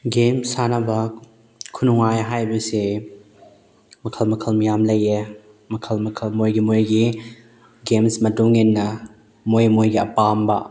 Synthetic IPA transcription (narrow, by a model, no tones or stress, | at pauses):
ɡemsanɐbɐ | kʰunuŋajɦajbɐsi | mɐkʰɐlmɐkʰɐlmijamlɐje | mɐkʰɐlmɐkʰɐlmojɡimojɡi | ɡemsmɐtuŋenːɐ | mojmojɡiɐ̰pambɐ